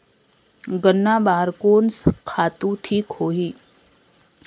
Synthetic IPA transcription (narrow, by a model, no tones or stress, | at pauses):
ɡənːaːbaːɾkoːnskʰaːt̪ũʈʰiːkhoːɦiː